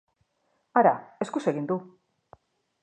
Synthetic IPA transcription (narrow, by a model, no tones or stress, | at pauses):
aɾa̰e̞skuseɣind̪u